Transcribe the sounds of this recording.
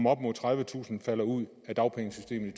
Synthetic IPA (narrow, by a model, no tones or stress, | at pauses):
mɒ̽b̥mɔð̰ˠt͡sʰʁäðˠʋət͡sʰṵːsn̩fæl̰ɐuð̰ˠ | æd̥ɑ̈ʊpʰeŋɪŋsysd̥e̝̰ːməit͡sʰ